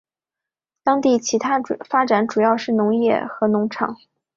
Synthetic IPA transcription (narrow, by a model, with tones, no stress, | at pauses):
t̪ɑ˥ŋt̪i˥˩t͡ɕʰi˧˥t̪ʰa˥˨˩fa˥ʈ͡ʂa˨˥nʈ͡ʂu˨˩jɑ˥˧ʊʂɻ̩˥˩nʊ˧˥ŋjɛ̰˥˩xɤ˧˥nʊ˧˥ŋʈ͡ʂʰɑ̰˨˩˦ŋ